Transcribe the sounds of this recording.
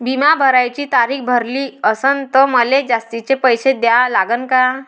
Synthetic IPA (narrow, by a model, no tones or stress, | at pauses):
bʱimabʱəɾajt͡ɕiːt̪aɾikbʱəɾliːəsənt̪əməled͡zast̪it͡sepəjsed̪jalaɡənka